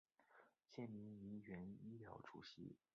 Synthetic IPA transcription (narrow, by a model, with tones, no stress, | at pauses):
ɕjɛ˥˩nmi˧˥ni˧˥ɥɛ˧˥ni˥ljɑ˧˥ʊʈ͡ʂṵ˨˩ɕḭ˧˥